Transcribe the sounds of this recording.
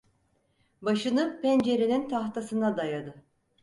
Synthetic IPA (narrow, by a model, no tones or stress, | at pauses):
baʃɯnɯpɛnd͡ʒe̞ɾinint̪ʰaht̪ʰasɯnad̪ajad̪ɯ